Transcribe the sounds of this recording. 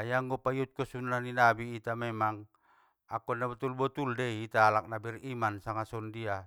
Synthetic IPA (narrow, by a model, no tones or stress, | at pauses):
ajaŋɡɔpaiut̪̚kɔsunːaninabiːt̪amɛmaŋ | akɔnabɔt̪ulbɔt̪uldɛiːt̪aːlak̚nabirimansaŋasɔndia